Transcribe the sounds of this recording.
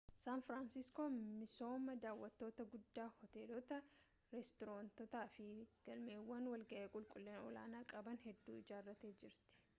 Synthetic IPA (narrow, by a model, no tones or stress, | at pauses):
saːnfɾansɪskoːmɪso̞ːmɐd̪aːwːɐt̪ːo̞ːt̪ɐɡʊd̪ːaːhɔt̪e̞ːlɔt̪ɐ | ɾɛst̪ɪɾoːnt̪ɔt̪aːfɪɡ̥ɐlme̞ːwːɐnwɐlɡɐʔeːkʼʊlkʼʊlːɛnɔla̰ːnaːkʼɐbɐnhɛd̪ːuːɪd͡ʒaːrːɐt̪eːd͡ʒɪɾt̪ɪ̥